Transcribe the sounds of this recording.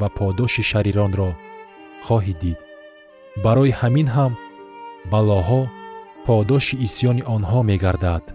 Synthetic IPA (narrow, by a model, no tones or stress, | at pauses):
vapʰɔd̪ɔʃiʃaɾiɾɔnɾɔ | χɔɦid̪id̪̥ | baɾɔihaminɦam | balɔɦɔpʰɔd̪ɔʃiːsjɔniʔɔnɦɔme̞ɡaɾd̪ad̪̥